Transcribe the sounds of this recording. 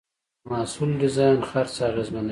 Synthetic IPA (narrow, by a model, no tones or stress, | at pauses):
mɑːsuldɪzɑjnxaɾt͡sɑːɣezman